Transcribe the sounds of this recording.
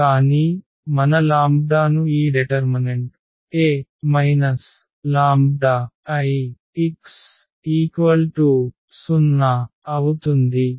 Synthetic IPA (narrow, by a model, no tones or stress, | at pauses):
kaːniː | mɐnɐlaːmb̚d̪aːnuiːɖiʈɐɾmineɳʈ | eːmɐjnɐs | laːmbd̪aɐji | iks | iːkʋɐlʈu | sunːɐɐwut̪und̪i